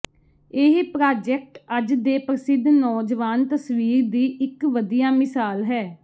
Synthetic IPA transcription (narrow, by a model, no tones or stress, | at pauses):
eɦpɾaːd͡ʒɛk̚ʈəd͡ʒd̪eːpɾəsɪd̪nɔːd͡ʒʋaːnt̪əsʋiːɾd̪iːʔɪkʋəd̪ijaːmɪsaːlɦɛː